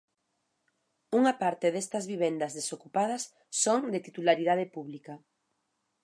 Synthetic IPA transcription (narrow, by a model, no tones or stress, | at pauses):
uŋapaɾt̪eðest̪ɐzβiβend̪ɐzðesokupað̞ɐsː | oŋd̪et̪it̪ulaɾiðað̞epuβlika